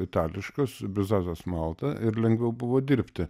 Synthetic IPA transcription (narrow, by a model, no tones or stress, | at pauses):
ɪt̪ɑːlʲɪʃkosbʲɪzɑːzoːsmɑlˠt̪ɐʔɪɾlʲɛŋɡʋʲɛʊbʊʋoːd̪ʲiɾʲpʲt̪ʲɪ